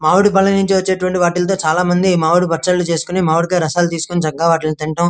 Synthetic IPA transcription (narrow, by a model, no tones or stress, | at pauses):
maːʋuɽupɐɭːɐnuɲt͡ʃiʋɐt͡ʃːeːʈuʋɐɳʈiʋaːʈ̬ilɐt̪̬o̞ːt͡ʃaːlaːmɐnd̪imaːwuɽubɐʈt͡ʃɐlut͡ʃe̞ːsu̥kunimaːʋuɽukeːɾɐsaːlut̪̬iːsu̥kunid͡ʒɐɡːaːʋaːʈilit̪iɳʈɐm